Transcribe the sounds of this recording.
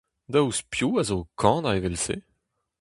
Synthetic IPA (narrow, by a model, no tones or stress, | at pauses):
d̪auspjuazokʰɑ̃ːdaevɛlsḛ